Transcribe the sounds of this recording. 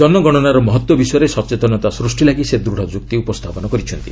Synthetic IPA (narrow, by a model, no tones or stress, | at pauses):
d͡ʒɔnmɔɡɔɽ̃ɔnaɾɔmɔɦɔt̪wɔbisɔjɔɾesɔt͡ʃet̪ɔnɔt̪asɾusʈilaɡised̪ɾuɽ̤ɔd͡ʒuk̚t̪iupɔst̪ʰapɔnɔkɔɾit͡ʃʰɔnt̪i